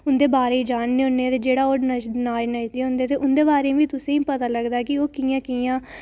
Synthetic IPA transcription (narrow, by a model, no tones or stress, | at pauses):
ʊnd̪eːbaːɾeːiːd͡ʒaːnneːɦʊ̃nd̪eːt̪eːd͡ʒeːɽaːoːɾnəʃnaːʃnəʃd̪eːɦʊ̃nd̪eːt̪eːʔʊnd̪eːbaːɾẽːbiːt̪ʊsẽːĩːpət̪aːləɡd̪aːkɪoːkiːjãːkiːjãː